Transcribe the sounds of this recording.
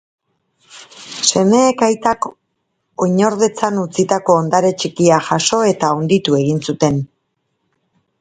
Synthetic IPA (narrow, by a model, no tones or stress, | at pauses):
se̞me̞ːkajt̪ak | oɲo̞ɾð̞e̞t͡sanut͡sit̪ako̞ːnd̪aɾe̞t͡ʃikiaʝaso̞e̞t̪aund̪it̪ue̞ɣinsut̪e̞n